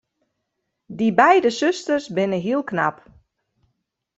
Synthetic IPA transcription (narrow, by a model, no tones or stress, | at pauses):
dibɛjdəsøstərsbɪnəɦiəlˠkna̰p